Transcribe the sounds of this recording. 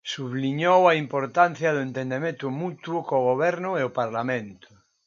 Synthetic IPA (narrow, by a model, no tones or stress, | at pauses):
suβliɲowaimpoɾt̪anθjaðoent̪end̪emẽnt̪umut̪wokoɣoβ̞ɛɾnʊeopaɾlamẽnt̪ʊ̥